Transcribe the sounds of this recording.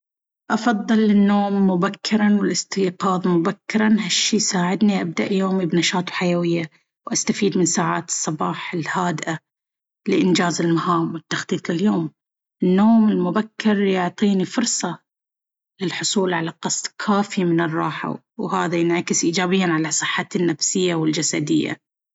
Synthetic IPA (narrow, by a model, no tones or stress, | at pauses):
ʔɑfɑðˤːɨlːɪnːoːmːʊbakʰːɪɾˤanwɪlɪst̪iːqɑːðˤmʊbakːɪɾˤɑnɦaʃːiːsaːʕɪd̪niʔab̚d̪aʔjoːmibnɑʃɑːt̪ˤħajawɪjːa | wʔast̪afiːd̪mɪnsaːʕaːt̪ɨ̥sˤːɑbɑːħɪlhaːd̪ʔa | lɪʔɪnd͡ʒaːzɪlmahaːmwɪt̪ːɑxt̪ˤiːt̪ˤlɪljoːm | ɪnːoːmɪlmʊbakːɪɾjʊʕt̪ˤiːnifʊɾsˤɑ | lɪlħʊsˤuːlʕalaqɑsˤd̪kʰaːfimɪnɨrˤːɑːħa̰ | whaːðajɪnʕakɪsʔiːd͡ʒaːbɪjːanʕalasˤɨħːanːafsɪjːawɪld͡ʒasad̪ɪ̰jːa̰